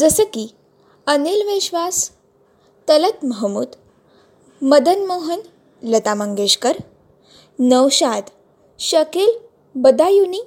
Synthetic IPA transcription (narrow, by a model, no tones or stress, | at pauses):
d͡zəsəki | ənelʋeɕʋas | t̪ələt̪məɦmṵːd̪ | məd̪ənmoɦən | lət̪aməŋɡeɕkəɾ | nəwɕad̪ | ɕəkel | bəd̪ajuni